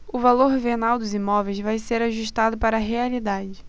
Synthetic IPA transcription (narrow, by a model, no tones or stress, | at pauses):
ʊvaloɾveɾnawd̪ʊzimɔvejzvajseɾaʒuʃt̪ad̪ʊpaɾɐɦealid̪ad͡ʒɪ